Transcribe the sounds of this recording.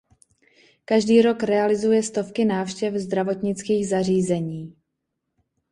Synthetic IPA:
kaʒdiːɾo̞kɾɛalɪzujɛst̪o̞fkɪnaːfʃcɛfzd̪ɾavo̞t̪ɲɪt͡skiːɣzar̝iːzɛɲiː

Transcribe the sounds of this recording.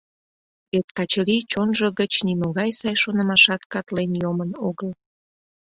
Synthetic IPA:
et̪kɑt͡ɕəɾit͡ɕonʒəɣət͡ɕnimoɣɑjsɑjʃonəmɑʃɑt̪kɑt̪lenjomənoɣəl

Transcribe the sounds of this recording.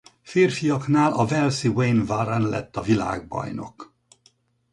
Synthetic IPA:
fiːrfijɒknaːlɒvɛlsiweːnvaɾɛnlɛ̰t̪ːɒvila̰ːɡ̚bɒ̰jno̞̰k

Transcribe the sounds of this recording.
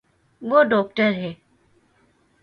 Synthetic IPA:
ʋoːɖɔːk̚ʈəɾɦɛː

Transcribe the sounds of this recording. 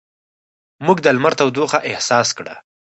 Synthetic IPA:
muɡd̪almaɾt̪awd̪oxaʔɪhsɑskɽa̰

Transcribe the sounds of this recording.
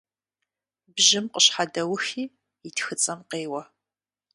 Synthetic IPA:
bʒɪmqəɕħadɐwʊxiː | itʰxɨt͡sʼɐmqeːwɐ

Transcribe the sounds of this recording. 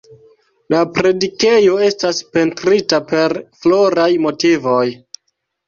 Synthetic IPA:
lapɾe̞dike̞jo̞e̞staspe̞ntɾitape̞ɾflo̞ɾajmo̞tivo̞j

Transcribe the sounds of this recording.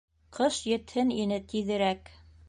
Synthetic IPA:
qɤʃjɘ̆t̪hɘninɘt̪iðɘ̆ɾæk

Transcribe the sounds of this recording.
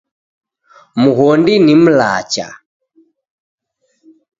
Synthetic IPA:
muɣɔndinim̩la̰t͡ʃa̰

